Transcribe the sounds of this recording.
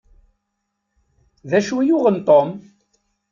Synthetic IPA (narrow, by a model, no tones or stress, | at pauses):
ðæʃwijʊʁənt̪ˤom